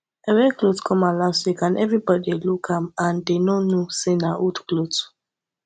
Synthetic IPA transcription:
ɛwɛklotkʰɔ̃malãswikãnɛvɹibɔdelukʰãmãndenɔnosenautklot

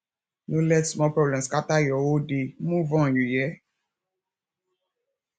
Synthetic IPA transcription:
nolɛtsmɔpɾɔblɛ̃skatajɔwodemũvɔ̃jujɛ

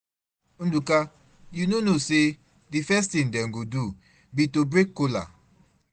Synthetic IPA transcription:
n̩duka | junonose | difɛstĩndɛ̃ŋɡodu | bitobɾekːola̰

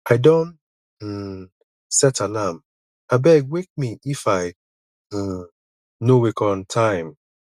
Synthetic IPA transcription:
aɪdõn̩ | sɛtʰalam | aɪbɛɡ̚wek̚miifaɪ | nowikɔ̃ntʰãɪ̃m

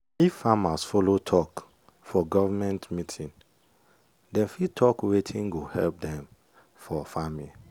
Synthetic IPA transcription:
ifːamasfolotʰɔk | fɔɡɔvamɛ̃ntmitʰĩn | dɛ̃nfitʰɔkwetʰĩnɡohɛ̰lp̚dɛ̃m | fɔfami

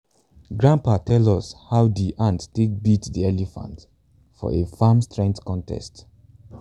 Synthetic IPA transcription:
ɡɹãmpatʰɛlɔshawdiʔãntːtebitdiɛlifã̰nt | fɔ̰efamstɹɛ̃ŋktkɔ̃ntʰɛ̰st

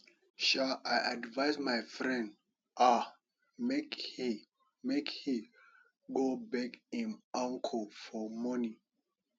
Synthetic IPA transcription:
ʃalʔajʔadvaɪsmajfɹɛ̃nd | ʔa | mekhi | mekhi | ɡobɛkĩnãŋkʰɔfɔmɔni

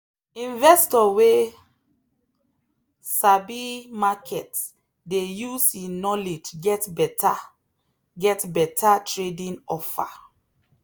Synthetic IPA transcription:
ĩnvɛstɔwe | sabimakʰɛt | dejusinɔled͡ʒɡɛtbɛta | ɡɛtbɛtʰatɹedĩnɔfa̰

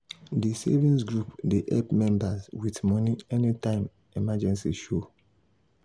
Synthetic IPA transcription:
disɛ̰vĩnsɡɹupdiʔɛpmɛ̃mbazwitmɔniɛnitãɪ̃m | imad͡ʒɛ̃nsiʃo

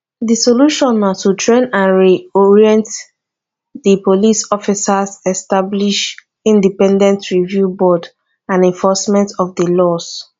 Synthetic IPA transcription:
disoluʃɔ̃natutʰɹẽnãnɹiɔɹiɛ̃nt | dipolisɔfisasɛstabliʃ | ĩndipɛ̃ndɛ̃ntʰɹivjubɔd | ãnɛ̃ɱfɔsmɛ̃ntɔfdəlɔs

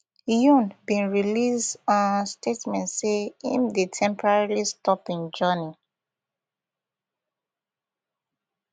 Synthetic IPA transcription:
jũnbĩnɹilisdɔ̃nstʰetmɛ̃ntseḭ̃mdetʰɛ̃mpɔɹaɹilistɔpĩnd͡ʒɜni

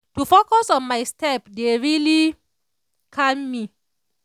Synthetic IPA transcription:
tufokɔsɔ̃nmajstʰɛpdeɹili | kʰamːi

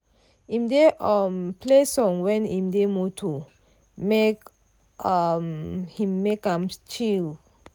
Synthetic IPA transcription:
ĩmdeʔamplesɔ̃ŋwɛ̃nĩmdemutʰu | mek | mhĩmːekãmt͡ʃil

